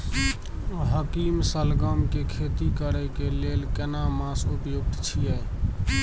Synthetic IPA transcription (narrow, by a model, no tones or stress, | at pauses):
ɦəkimsəlɡəmkekʰet̪ikəɾɛkelelkenamãsupjuk̚t̪t͡ʃʰijɛ